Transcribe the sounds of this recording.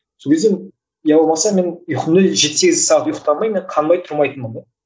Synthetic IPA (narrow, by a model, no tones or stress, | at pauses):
sokʰʲe̞zd̪e | jɑwolˠmɑsɑme̞njʊqənd̪əʒe̞t̪seɡʲɪzɪsɑʁət̪jʊqt̪ɑlˠmɑjmeɴqʰɑnbɑjt̪ʰʊɾmɑjt̪ənmən